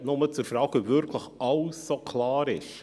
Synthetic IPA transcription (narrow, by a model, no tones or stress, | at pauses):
nʊmət͡sʊɾfɾaːɡ̥əvʏɾkʰləxɑʊsokʰlaːɾɪʃ